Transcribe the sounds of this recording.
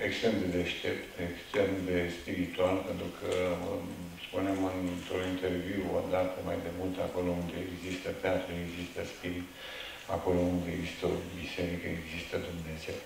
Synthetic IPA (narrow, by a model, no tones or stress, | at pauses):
ekst̪ɾe̞md̪e̞d̪e̞ʃt̪e̞pt̪ekst̪ɾe̞md̪e̞spiɾit̪ualpe̞nt̪ɾukʰə | spunemɨnt̪ɾuint̪e̞rviwo̰d̪at̪əmajd̪e̞mult̪ako̞lo̞und̪eeɡzist̪əp̪eat̪ɾueɡzist̪əspiɾi | a̰ko̞lo̞und̪eeɡzist̪əobise̞ɾikəeɡzist̪əd̪umnezel